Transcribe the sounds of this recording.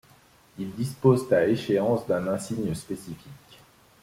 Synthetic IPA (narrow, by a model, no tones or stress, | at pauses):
ild̪ispozt̪aeʃeɑ̃sd̪ɛ̃nɛ̃siɲəspesifikʲ